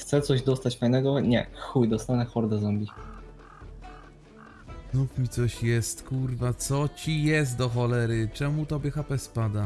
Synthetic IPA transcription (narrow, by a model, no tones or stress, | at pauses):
xt̪sɛt̪sɔʑd̪ɔst̪at͡ɕfajnɛɡɔɲɛ̰xujd̪ɔst̪anɛxɔɾd̪azɔmʲbʲi | znufmʲit̪sɔɕjɛst̪kuɾvat̪sɔt͡ɕijɛs̬t̪̚d̪ɔxɔlɛɾɘt͡ʂɛmut̪ɔbʲjɛxapɛspad̪a